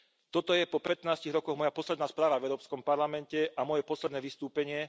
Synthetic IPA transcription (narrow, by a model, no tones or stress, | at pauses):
t̪ɔt̪ɔjɛpɔpɛt̪naːsciɣɾɔkɔɣmɔjapɔslɛd̪naːspɾaːʋavɛʊɾɔːpskɔmpaɾlamɛncɛʔamɔjɛpɔslɛd̪nɛːʋist̪uːpɛɲɪɛ